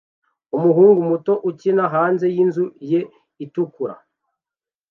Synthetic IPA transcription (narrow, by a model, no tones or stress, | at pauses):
umuɦuːŋɡumuto̞ʔucinaɦaːnze̞jinzuje̞ | itukuɾa̰